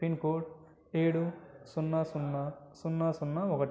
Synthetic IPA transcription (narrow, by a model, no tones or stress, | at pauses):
pinkoːʈ | eːɽusunːasunːasunːasunːaɔkɐʈ